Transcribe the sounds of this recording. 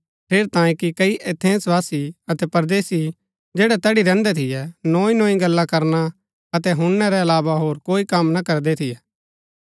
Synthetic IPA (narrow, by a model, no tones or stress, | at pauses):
pʰeːɾt̪ãːjẽkikɐiʔet̪ʰẽːsʋaːsiɐt̪ɛpɐɾd̪eːsi | d͡ʒeːɽɛt̪ɛːɽiɾɛ̃ːnd̪ɛt̪ʰɪjɛnõːĩnõːĩɡɐlːakɐɾna | ɐt̪ɛɦʊnːɛɾɛɐlaːbaɦoːɾkoːikɐmnakɐɾd̪ɛt̪ʰɪjɛː